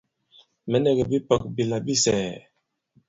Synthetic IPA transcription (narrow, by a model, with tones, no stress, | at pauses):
mə˦ne˦ɡə˨bi˦pə˨k̚bi˨la˨bi˦sɛ˨